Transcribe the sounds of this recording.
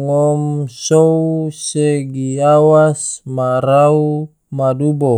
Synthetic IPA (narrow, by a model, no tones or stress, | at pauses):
ŋɔmsouseɡiawasmarau | madubo